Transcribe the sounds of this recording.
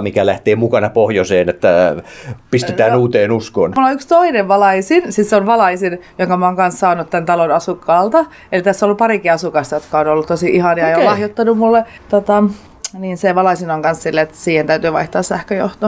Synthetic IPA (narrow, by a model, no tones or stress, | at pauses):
mikælæht̪eːmukɑnɑpohjoseːnet̪ːæ | pist̪et̪æːnuːt̪eːnuskonmulːoykst̪oineʋʋɑlɑisinsisseonʋɑlɑisinjoŋkɑmɑoŋkɑnssɑːnut̪t̪ænt̪ɑlonɑsukːɑːlt̪ɑ | elit̪æsːoolːuppɑrikiɑsukɑst̪ɑjot̪kɑonolːut̪t̪osiʔihɑnjɑejolɑhjot̪ːɑnummulːe | t̪ot̪ɑ | niːnseʋɑlɑisinɑŋkɑnssilːeet̪siːhent̪æyt̪yːʋɑ̰iht̪ɑːssæhkøjo̰ht̪o